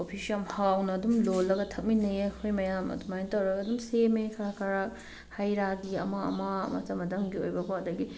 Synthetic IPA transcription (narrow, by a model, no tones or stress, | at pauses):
opʰisiɐmhawnɐːdumlolːɐɡɐtʰɐk̚minɐjekʰojmɐjamɐ̰dumajntɐwɾɐɡɐːdumsemekʰɐɾakʰɐɾak | hajɾaɡiɐmaɐ̰mamɐ̰tɐmɐtɐmɡiojbɐkʰaɐdɐɡi